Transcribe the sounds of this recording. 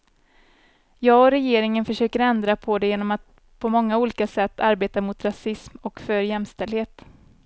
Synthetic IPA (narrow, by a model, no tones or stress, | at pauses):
jɑːɡɔɾɛjeːɾɪŋənfœʂøːkəɾɛnd̪ɾapʰɔd̪ɛjeːnɔmat̪̚ | pʰɔmɔŋːauːliːkasɛt̪ːaɾbeːt̪aɾmʊt̪ɾasɪsmɔkfœɾjɛmst̪ɛld̪heːt̪